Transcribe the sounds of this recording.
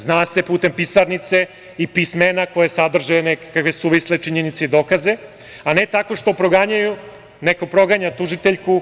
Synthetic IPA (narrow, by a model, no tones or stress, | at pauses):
znaːse̞puːt̪e̞mpisaɾnit̪se̞ | ipismenako̞jesad̪r̩ʒenekkakʋe̞suʋislet͡ʃiɲenit̪seid̪o̞kaze̞ | ane̞t̪ako̞ʃt̪o̞pɾoɡaɲaju | neko̞pɾo̞ɡaɲat̪uʒit̪e̞ʎku